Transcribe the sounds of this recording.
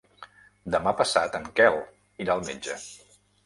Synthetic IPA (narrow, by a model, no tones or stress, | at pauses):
d̪əmapəsat̪əŋkɛlˠ | iɾalˠmed͡ʒə